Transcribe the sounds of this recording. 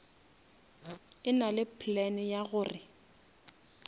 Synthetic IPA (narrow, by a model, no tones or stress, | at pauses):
ɪnalɪpʰlɛnɪjaɣʊːrɪ